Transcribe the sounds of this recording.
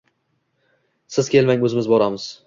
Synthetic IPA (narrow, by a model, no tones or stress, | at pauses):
sɪz̥kʲʰe̞lmaŋʲɵzɪmɪzbɒɾamɪz̥